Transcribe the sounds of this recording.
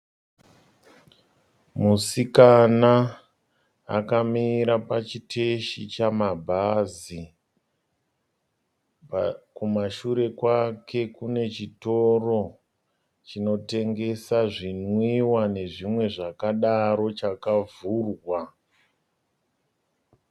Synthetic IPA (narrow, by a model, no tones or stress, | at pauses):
musikana | kamiɾapat͡ʃitʰeʃit͡ʃamabʱazi | pkumaʃuɾe̞kwakʰe̞kune̞t͡ʃito̞ro̞ | t͡ʃino̞te̞ŋɡe̞saʐinwiwane̞ʐimwe̞ʐakaɗaɾo̞t͡ʃakavuːrwa